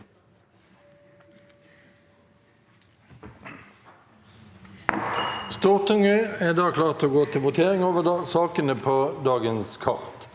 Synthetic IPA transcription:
st̪oːʁt̪ʊŋəeːd̪ɑːkʰlɑːʁt̪oːɡoːt̪ʰɪlʋʊt̪ʰeːʁɪŋoːʋəd̪ɑsɑːkənəpʰoːd̪ɑːɡənskʰɑ̰ʁt̪

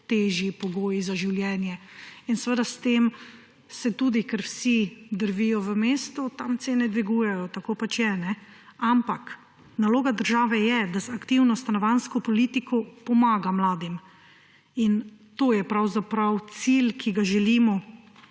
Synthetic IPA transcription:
t̪eːʒjipɔɡoːjizaʒiwljɛːnjɛinsʋəd̪ast̪em | sɛt̪ud̪ikɛɾwsid̪əɾʋijɔʋəmeːst̪ut̪amt̪seːnɛd̪ʋiɡuːjɛjɔt̪akoːpat͡ʃjɛnɛ | ampak | naloːɡad̪əɾʒaːʋɛjɛd̪azakt̪iwnɔst̪anɔʋanskɔpɔlit̪ikʰɔpɔmaːɡamlaːd̪im | in | t̪oːjɛpɾawzapɾawt̪silkʰiɡaʒɛliːmɔ

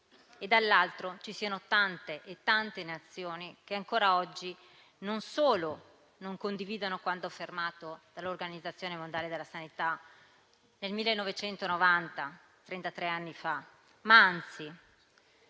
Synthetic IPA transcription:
ed̪ːalːalt̪ɾot͡ʃisiːanot̪ant̪eʔet̪ːant̪enat̪sːjoːnik̟eaŋkoːɾaɔd͡ʒːi | nonsoːlo | noŋkond̪iviːd̪onokwand̪ofermaːt̪od̪̥alːorɡanid̪zːat̪sːjoːnemond̪jaled̪elːasanit̪a | nelmilːenːɔvet͡ʃɛnt̪onovant̪a | t̪ɾent̪at̪ɾeanːifa | maant̪si

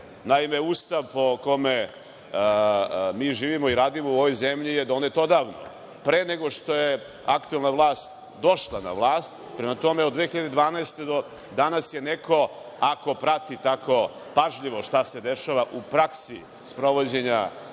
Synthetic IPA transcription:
naimeuːst̪aʋpo̞ko̞me | miːʒiːʋimo̞iɾaːd̪imouo̞ʋojzemʎijed̪o̞net̪o̞d̪aːʋno̰ | pɾeːne̞ɡo̞ʂt̪o̞je | akt̪uelˠnaʋlˠaːst̪ | d̪o̞ʃlˠana̰ʋlˠaːst̪ | pɾemat̪o̞meod̪d̪ʋexiʎad̪ed̪ʋaːnaest̪e̞d̪o | d̪anasje̞ne̞ko̞ | ako̞pɾat̪it̪akʰo̞ | paʒʎiʋo̞ʃt̪ase̞d̪e̞ʃaʋaʔupɾaksi | spɾo̞ʋo̞d͡ʑe̞ɲa

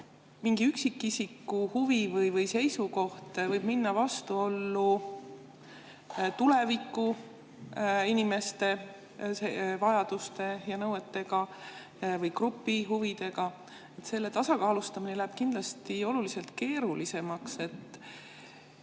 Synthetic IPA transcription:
miŋɡ̥iyksikːˑisikːuhuvivɯjvɯjse̞jsuko̞ht̪vɤjb̥minːɑvɑst̪uo̞lːu | t̪ule̞vikːˑu | inime̞st̪e̞ | sevɑjɑd̪ust̪e̞jɑnɤwe̞t̪ːe̞ɡɑ | vɤjkrupːiɦuvid̪̥e̞ɡɑ | e̞t̪se̞lːe̞t̪ɑsɑkɑːlust̪ɑminelæɦeb̥kind̪lɑst̪io̞lulise̞lt̪ke̞ːɾulise̞mɑkse̞t̪ː

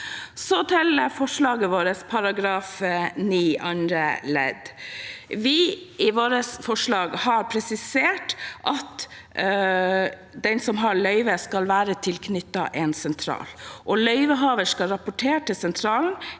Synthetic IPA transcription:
sɔt̪ʰɪləfɔʂɭɑːɡəʋoːɾəspʰɑɾɑɡɾɑːfniːɑnɾəlɛ̰d̪ | ʋɪɪʋoːɾəsfɔʂɭɑːɡhɑɾpʰɾɛsɪseːʈʔɑt̪ | d̪ɛnsɔmɦɑɭœʏʋəskɑlʋæːɾət̪ʰɪlkʰnʏt̪ːɑ̰ʔɛnsɛnt̪ʰɾɑ̰ːlʔɔlœʏʋəɦɑːʋəʂkɑlɾɑpʊʈʰeːʈɪsɛnt̪ʰɾɑːln̩

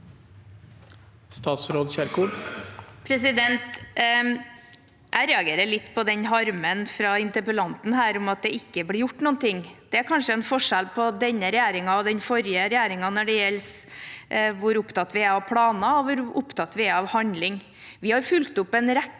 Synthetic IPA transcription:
st̪ɑːt̪sɾoːd̪çæɾkuɖpʰɾɛsɪd̪ɛnt̪ | ʔæɪɾɛːɑɡeːɾəɭɪt̪ːpʰɔd̪ɛnɦɑɾmənfɾɑɪnt̪əɾpəlɑnt̪n̩ɦæːɾʊmɑt̪̚d̪ɛɪkːəblɪɾjʊʈːnuːnt̪ʰɪŋːd̪̥ɛæɾkʰɑnʂəɛnfɔʂælpʰɔd̪ɛnːəɾɛjæːɾɪŋɑɔd̪ɛnfɔɾjəɾɛjæːɾɪŋɑnɔɖɛjɛls | ʋʊɾʊpt̪ɑt̪ːʋɪæɾɑʋpʰɽɑːnɑɔʋʊɾʊpt̪ʰɑt̪ːʋɪæɾɑʋhɑnlɪŋ | ʋɪhɑɾfʉlkt̪ʊpːɛnɾæ

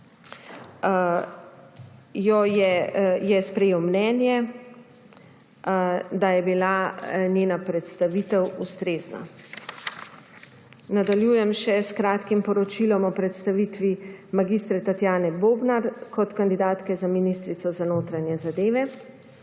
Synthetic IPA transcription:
jɔjɛjɛspɾɛjeːwmnɛːnjɛ | d̪ajɛbilanjeːnapɾɛt̪st̪aʋit̪ɛwust̪ɾeːzna̰ | nad̪aljuːjɛmʃɛskɾaːt̪kimpɔɾɔt͡ʃilɔmɔpɾɛt̪st̪aʋit̪ʋimaɡist̪ɾɛt̪at̪jaːnɛboːbnaɾkɔt̪kand̪id̪aːt̪kɛzaminist̪ɾit̪sɔzanoːt̪ɾanjɛzad̪eːʋɛ

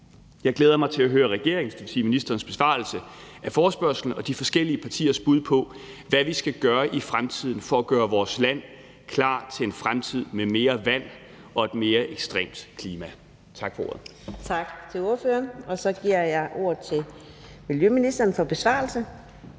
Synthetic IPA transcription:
jɑ̈ɪɡ̥leːð̞ˠɐmɑ̈ɪt͡sʰe̝æɦøːɐʁɛɡ̥e̝ɐ̰eŋsd̥yt͡sʰḭminisd̥ɐːnsb̥e̝sʋɑ̰̈l̩səʔæfɒːsb̥ɶɐsl̩n̩ɒ̽d̥ifɒ̽sɡ̥el̰iəpʰɑ̈t͡sʰḭːɐsb̥uð̞̰ˠpʰɒ̽ | ʋæʋisɡ̥æɡ̥ɶːɐʔifʁamt͡sʰið̞̰ˠn̩fɒ̽æɡ̥ɶːɐʋɒːslæn̰ | kʰlɑ̰̈ːt͡sʰe̝lenfʁamt͡sʰið̞̰ˠmeme̝ːɐʋæn̰ | ɒ̽e̝d̥me̝ːɐʔeɡ̥sd̥ʁḛːmd̥kʰliːmæ | t͡sʰɑ̈ɡ̥fɒ̽o̰ːɐð̩ˠ | t͡sʰɑ̈ɡ̥t͡sʰe̝o̝ɐføɐnɒ̽sɒ̽ɡ̥iɐ̰jɑ̈ɪʔo̝ːɐ̰ð̩ˠt͡sʰe̝ | miljøminisd̥ɐːn̩fɒ̽b̥e̝sʋɑ̰̈ːl̩sə

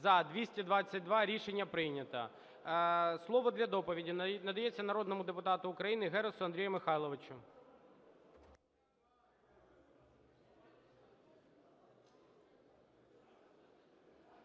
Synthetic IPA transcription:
zɐd̪ʋʲisʲtʲid̪ʋɑt͡sʲːɐt̚ʲd̪ʋɑɾʲiʃenʲːɐpɾɪjnʲɐt̪ɐ̰ | slˠɔʋɔd̪lʲɐd̪ɔpɔʋʲidʲinɐd̪ɐjet͡sʲːɐnɐɾɔd̪nɔmʊd̪epʊt̪ɑt̪ʊːkɾɐjinɪɦɛɾɔsʊɐnd̪ɾʲijɐmɪxɑjlˠɔʋɪt͡ʃʊ

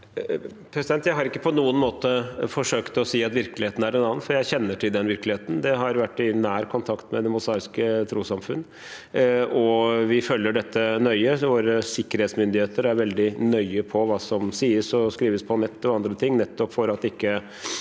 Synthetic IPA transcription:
pʰɾɛsɪd̪ɛnt̪jæɪɦɑɾɪkːəpʰɔnuːənmoːt̪əfɔʂøːkt̪ɔsiːɑt̪ʋɪɾklɪheːt̪n̩æɖɛnɑːənfɔɾjæɪçɛnːəʈʰɪld̪ɛnʋɪɾklɪheːt̪n̩d̪ɛɦɑɾʋæʈːɪnæːɾkʰʊnt̪ʰɑkt̪mɛd̪ɛmʊsɑːɾɪskət̪ʰɾuːsɑmfʉnː | ɔʋɪfœlːəɖɛt̪ːənœʏəʋoːɾəsɪkːəɾheːt̪smʏnd̪ɪheːt̪əɾæɾʋɛld̪ɪnœʏəpʰɔʋɑːsɔmsiːəsɔskɾiːʋəspʰɔnɛt̪ːɔɑnd̪ɾət̪ʰɪŋːnɛt̪ːɔpfɔɾɑt̪ɪkːə

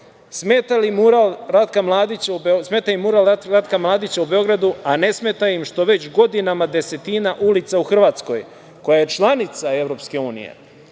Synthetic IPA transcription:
smeːt̪alimuɾalɾat̪kamlˠaːd̪it͡ɕaubesmeːt̪ajimːuɾalɾat̪kamlˠaːd̪it͡ɕaubeo̞ɡɾad̪uane̞sme̞t̪aimʃt̪o̞ʋe̞t͡ɕɡo̞d̪inamad̪e̞se̞t̪inaʔulit̪sauxr̩ʋaːt̪sko̞j | ko̞jaje̞t͡ʃlˠanit̪sae̞ʋɾo̞pske̞uːnḭjḛ

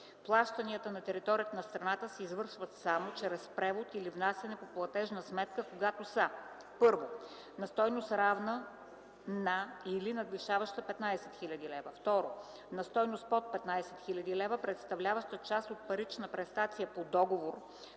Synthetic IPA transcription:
plˠaʃt̪əniət̪ənɐt̪ɛɾit̪ɔɾijət̪ənɐst̪ɾɐnat̪əsɛizvɤɾʃvət̪samot͡ʃɾɛspɾɛvot̪ilivnasɐnɛpoplˠɐt̪ɛʒnəsmɛt̪̚kəkoɡat̪osə | pɤɾvo | nɐst̪ɔjnost̪ɾavnə | nɐilinɐd̪liʃavəʃt̪əpɛt̪najsɛ̥t̪xilʲɐd̪ilɛvəft̪ɔɾo | nɐst̪ɔjnost̪̚pɔt̪̚pɛt̪najsɛ̥t̪xilʲɐd̪ilɛvəpɾɛt̪st̪ɐvlʲavɐʃt̪ət͡ʃast̪ot̪̚pɐɾit͡ʃnəpɾɛst̪at̪sijəpod̪ɔɡovoɾ

